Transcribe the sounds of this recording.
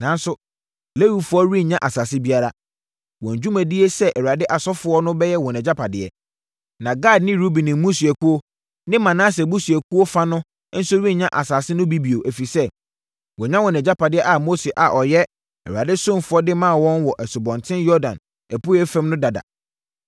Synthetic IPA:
nã˨˦n˦sʊ˦ | le˦wi˨fʊ˦ɔ˦ɾi˦ɲã˦ʔa˨saː˨sɪ˦bi˦a˦ɾa˦ | wɔ̃˨ɲ˨d͡ʑᶣu˦mæ̃˨di˦e˦sɛ˦ʔɛ˨u˨a˨dɪ˦ʔa˨sɔ˦fʊ˨˦ɔ˦nʊ̃˦bɛ˦jɛ˦wɔ̃˨nɛ̃˨d͡ʑa˦pʰa˨dɪ˨ɛ̰˨ | nã˨ɡa˦˨dnɪ̃˦ɾu˦bi˨nɪ̃˨mũ˦su˨ɛ˨ku˦o˦ | nɪ̃˦mã˨nã˦s̬ɛ˨bu˦sɥɛ˨kʰu˦o˦fa˦nʊ̃˦ | n̩˦sʊ˦ɾĩ˦˨ɲã˦ʔa˨saː˨sɪ˦nʊ̃˦bi˦bi˨o˨ʔæ˨fi˨sɛ˦ | wɔ˨ɲã˦wɔ̃˨nɛ̃˨d͡ʑa˦pa˨dɪ˦ɛ˦ʔa˨mo˦se˨ʔa˨ʔɔ˨jɛ˦ | ɛ̰˨a̰˨dɪ˦sõ˦mfʊ˦ɔ˦dɪ˦mã˦˨wɔ̃˦nwɔ˨ʔɛ˨sʊ˨bɔ̃˨ntʰɪ̃˦njɔ˦dã̰˨n | ɛ˨pʊ˦ɾɛ˦fɛ̃˦mnʊ̃˦da˨da̰˨

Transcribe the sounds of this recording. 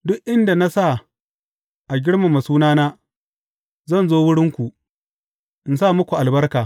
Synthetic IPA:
dʊ˦ʔʔɪ˦nda˨na˦sa˦˨ | ʔa˨ɡʲɪ˦ɽma˨ma˨suː˦naː˦naː˦ | zɐ˦˨nzoː˦wʊ˦ɽɪ˦ŋkʷu˨ʔ | ʔɪ˨nsa˦˨mʊ˦kʷu˨ʔa˨lbɐ˦rkaː˨

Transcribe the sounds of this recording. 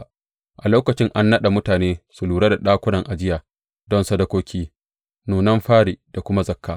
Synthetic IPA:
ʔa˨loː˦kɐ˨t͡ʃɪ˦ŋʔa˦nːɐ˦ɗa˨mʊ˦taː˨neː˦su˨luː˨ɽa˦da˨ɗaː˦kʷʊ˦nɐ˨ŋʔa˨d͡ʒɪ˦jaː˨ | dɔ˦nsɐ˦dɐ˦kʷoː˦kʲʰiː˦ | nuː˨nɐ˦mɸaː˦ɽi˨d̥a˨kʷʊ˦ma˦zɐ˦kːaː˦

